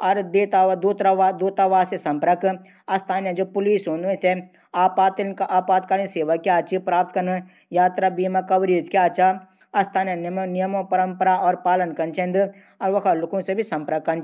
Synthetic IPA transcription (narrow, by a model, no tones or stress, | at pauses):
ɔɾd̪eːt̪aːʋad̪uːt̪ɾaʋad̪uːt̪aʋaːsesɐ̃mpɾək | ɐst̪ʰaːnjad͡ʒoːpʊliːsɦoːnẽse | aːpaːt̪kaʔaːpaːt̪̚kaɾniseːʋakːiaːt͡ʃipɾaːp̚t̪kɐn | jaːt̪ɾabiːmakɐʋɾiːd͡ʒkiaːt͡ʃa | ɐst̪ʰaːnjɐnmnɪjəmõpəɾəmpəɾaɔːɾpaːlənkɐnt͡ʃẽnd̪ | ɔɾʋɐkʰalʊkõsebʱisɐ̃mpɾəkːɐnt͡ʃ